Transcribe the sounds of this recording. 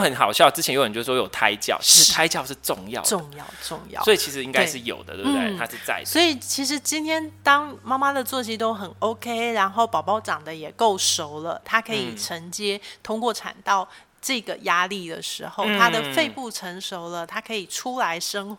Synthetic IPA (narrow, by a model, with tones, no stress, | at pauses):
xə˨˦nxɑ˨˩ʊɕjɑ˥˧ʊʈ͡ʂɻ̩ʰ˥jɛ˧njo˥ʊ˩ə˨˩t͡ɕo˥˩ʂ̩˥˩wɔ˥jo˨˩ʊt̪ʰa˥ɪt͡ɕjɑ̰˥˩ʊt͡ɕʰi˧˥ʂɻ̩˧˥t̪ʰa˥ɪt͡ɕjɑ˥˧ʊʂɻ̩˥˩˧ʈ͡ʂʊ˥˧ŋjɑ̰˥˨ʊʈ͡ʂʊ˥˧ŋjɑ̰˥˩ʊʈ͡ʂʊ˥˧ŋjɑ̰˥˩swɔ˧˥i˨˩i˧˥ʂɻ̩˧˥i˦˥ŋka˥ɪ˥ʂɻ̩˥˩jo̰˨˩ʊd̪ə̰˦we˥n˩˥e˥˩a˦˥ʂɻ̩˥˧t͡sa̰˥˩ɪswɔ˧˥i˨˩t͡ɕʰi˧˥ʂ̬ɻ̩˧˥t͡ɕi˥nt̪ʰjɛ˥nt̪ɑ˥ŋma˥ma˥d̪ə˨t͡swɔ˥˧˩t͡ɕi˥t̪o˥ʊxə˨˩no˥ʊkʰe˥ɪɻa˧˥nxo˥˩ʊpɑ˨˩ʊpɑ˥˩ʊʈ͡ʂɑ˨˩ŋd̪ə˦jɛ˨˩ko˥˩ʊʂo˧˥ʊlə˨t̪ʰa˥kʰɤ˧˥i˨˩ʈ͡ʂʰə˧˥ŋt͡ɕjɛ˥t̪ʰʊ˥ŋkwɔ˥˩ʈ͡ʂʰa̰˨˩nt̪ɑ˥˩ʊ | ʈ͡ʂɤ˥˩ɡə˩ja˥li˥˩d̪ə̰˩ʂɻ̩˧˥xo˥˩ʊt̪ʰa˥d̪ə˨fe˥˧ɪpu˥˩ʈ͡ʂʰə˧˥ŋʂo˧˥ʊlə˧t̪ʰa˥kʰɤ˧˥i˨˩ʈ͡ʂʰu˥la˧˦˥ɪʂɤ˥ŋx